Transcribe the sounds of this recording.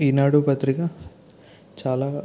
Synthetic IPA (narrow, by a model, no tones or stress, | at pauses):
iːnaːɽupɐt̪ɾikɐ | t͡ʃaːlaː